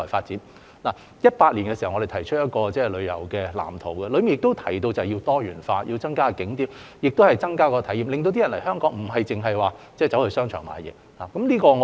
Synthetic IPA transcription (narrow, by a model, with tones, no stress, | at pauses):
ɔː˨˩jfaː˧t̚t͡siː˨˥ | laː˨˩ | jɐ˥t̚paː˧t̚li˨˩ŋkɛː˧si˨˩hɐ˨wŋɔ˨˧de˨jt̪ʰɐ˨˩jt͡ʃʰɵ˥t̚jɐ˥t̚kɔː˧t͡sɛː˥˩lɵ˨˧jɐ̰˨˩wkɛː˧la̰ː˨˩mt̪ʰo˨˩wkɐ˧lɵ˨˧˥ɥmɪ˨ŋjɪ˨k̚t̪o˥wt̪ʰɐ˨˩jt̪o˧wt͡sa˨hɐ˨˩ji˧t̪ɔː˥ɥyː˨˩nfaː˧ji˧wt͡sɐ˥ŋkaː˥kɪ˨˥ŋt̪iː˨˥w | jɪ˨k̚t̪o˥whɐ˨jt͡sɐ˥ŋkaː˥kɔː˧t̪ʰɐ˨˥jiː˨mlɪ˨ŋt̪o˧wt̪i˥ɐ˨˩nlɐ̰˨˩hœː˥ŋkɔː˨˥ŋm̩˨˩ɦɐ˨jt͡sɪ˨ŋɦɐ˨jwaː˨t͡sɛ˥˩t͡sɐ˨˧˥whɵ˧sœː˥ŋt͡ʃʰœː˨˩ŋma̰ː˨˥jɛ̰˨˥ | laː˨˩kɐ˨˥mliː˥kɔː˧ŋ˨˧